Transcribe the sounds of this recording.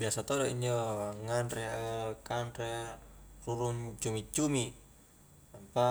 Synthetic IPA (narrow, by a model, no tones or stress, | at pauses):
biasat̪ɔdɔiɲd͡ʒɔwaŋanrɛkanrɛ | ruɾunt͡ʃumit͡ʃumi | ampa